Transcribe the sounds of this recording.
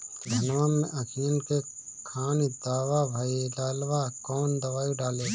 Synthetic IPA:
d̪ʱɐnʋamḛ̃ʔɐkʰijənke | kʰaːnid̪aːwabʱaːelaːlwakɔːnd̪ɐʋaːjuɖaːleː

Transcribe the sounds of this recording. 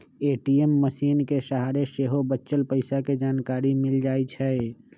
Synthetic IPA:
eːʈiemːəʃiːnkeʃəɦaːɾeʃeːɦobətːʃəlpəɪsaked͡ʒaːnkaːɾimɪld͡ʒaːit͡ʃʰɛ

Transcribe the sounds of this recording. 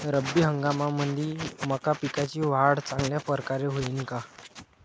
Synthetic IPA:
ɾəbːiːɦəŋɡamamənd̪ʱiːməkapikat͡ɕiːʋaɽt͡sãŋɡljapəɾkaɾeɦoiːnka

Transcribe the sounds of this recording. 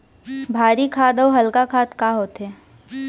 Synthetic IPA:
bʱaːɾikʰaːd̪əwɦɐlkakʰaːt̪kaɦoːt̪ɦɛː

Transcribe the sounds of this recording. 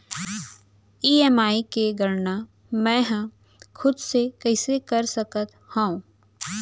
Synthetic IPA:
iːɛːmaːikeɡəɾna | mɛ̃ːɦə̃ | xʰʊd̪sekɛɪsekɐɾsɐkət̪ | hãũ

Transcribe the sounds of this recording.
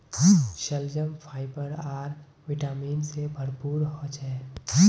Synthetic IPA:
ʃəld͡ʒəmpʰaːɪbəɾaːɾ | ʋɪʈaːmiːnsebʱəɾpuːɾɦot͡ʃɛ

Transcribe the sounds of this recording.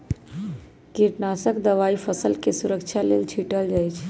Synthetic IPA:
kiʈnasəkd̪əʋaipʰəsəlkesuɾəkt͡ʃʰalelt͡ʃʰiʈəld͡ʒajt͡ʃʰ

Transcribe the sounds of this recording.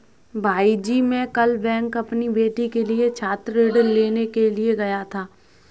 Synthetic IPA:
bʱaːid͡ʒimẽkɐlbɛ̃ːŋkɐpnibeːʈikeliet͡ʃʰaːt̪ɾeɽəleːnekelieɡɐjat̪ʰaː

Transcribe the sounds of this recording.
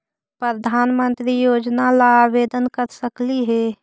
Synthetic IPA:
pɾəd̪ʱaːnmənt̪ɾijoːd͡ʒnalaʋeːd̪ənkəɾsəkliɦɛ

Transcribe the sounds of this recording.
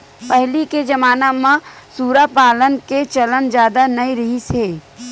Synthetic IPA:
pɛɦliked͡ʒɐmaːnamãsuːɾapaːlənket͡ʃɐlənd͡ʒjaːd̪anɐiɾɐɦiseː

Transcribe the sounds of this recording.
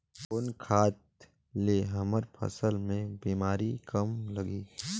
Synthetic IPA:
pʊnkʰaːt̪̚ | leɦəməɾpʰə̰səlmẽbiːmaːɾikəmlɐɡiː

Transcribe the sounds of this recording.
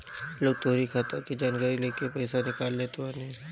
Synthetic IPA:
loːɡ̚t̪oːɾikʰaːt̪akid͡ʒaːnɡaɾileːkepɐɪsanɪkaːlːeːt̪ʰʊaneː

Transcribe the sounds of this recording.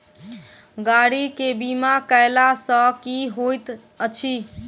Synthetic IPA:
ɡaɽikebimakəjlasə̃kiɦojt̪ | ət͡ʃʰi

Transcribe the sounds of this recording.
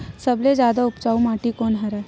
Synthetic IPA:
sɐbled͡ʒjaːd̪aʊpt͡ʃaːumaːʈikoːnɦɐɾɛː

